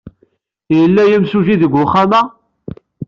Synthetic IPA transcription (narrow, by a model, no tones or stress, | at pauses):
jəlːæjæmsuʒiðəɡʷʊχːamæ